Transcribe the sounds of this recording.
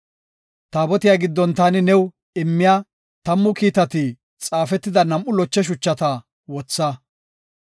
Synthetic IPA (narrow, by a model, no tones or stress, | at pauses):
t̪aːbɔt̪ɪjaːɡɪd̪ːɔnt̪aːnɪnɛw | ɪmːɪjaː | t̪ɐmːʊkiːt̪ɐt̪i | t͡sʼaːfɛt̪ːɪd̪ɐnɐmʔʊlɔt͡ʃːɛʃ̬ʊt͡ʃːɐt̪ɐ | wɔt͡sːɐ